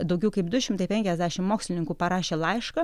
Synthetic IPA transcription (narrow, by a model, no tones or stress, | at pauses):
d̪ɐʊɡʲɛʊkɐɪpd̪ʊʃʲɪmt̪ɐɪpʲɛŋʲkʲɛzʲd̪ʲæʃʲɪmmoːksʲlʲɪnʲɪŋkuːpɐɾɑːʃʲeːlˠɐɪʃkɐ